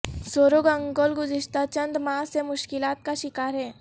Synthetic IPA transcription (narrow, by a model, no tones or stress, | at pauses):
soːɾoɡɐ̃ŋɡoːlɡʊzɪʃt̪ʰat͡ʃɐ̃nd̪mãːsemʊʃkɪlaːt̪kaʃɪkaːɾɦɛː